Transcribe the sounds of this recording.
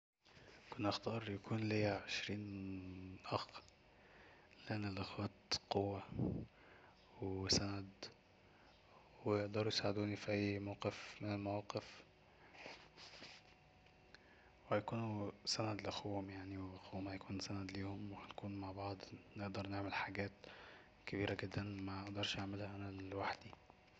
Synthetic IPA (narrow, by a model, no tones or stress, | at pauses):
kʊnːʔaxt̪ɑːɾˤjakuːnliʕeʃɾiːn | ʔɑx | lænːɪlʔaxwæːt̪qowːa | wsænæd̪ | wejeʔd̪ɑɾˤujsaʕed̪uːnifiʔæjːmawqefmɪnɪlmawɑːqef | whæjækuːnusænæd̪lʔæxuwomjaʕniweʔæxuːmhæjækuːnsænæd̪liːhomwehænkuːnmaʕbɑʕd̪ˤneʔd̪ɑɾˤneʕmelħaɡæːt̪ | kæbiːɾæɡed̪ːænmæeʔd̪ɑɾˤʃʔaʕmelhæʔænællwaħd̪i